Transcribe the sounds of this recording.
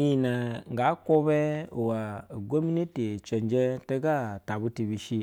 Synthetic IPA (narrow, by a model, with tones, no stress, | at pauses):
i˨na˨ŋ˨ɡa˨˦ko˦bɛ˦o˨wa˨ɡo˦mi˦ni˦ti˨t͡ʃe˨nd͡ʒe˦te˦ɡa˦˨ta˨bu˦ti˨bi˨ʃi˦